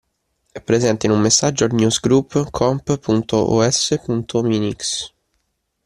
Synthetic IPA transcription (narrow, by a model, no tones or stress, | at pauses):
ɛpːɾezɛnt̪inumːesːad͡ʒoaɾnjusɡɾupːkʰɔmppunt̪oʔɔ̰ɛsepunt̪ʰominiks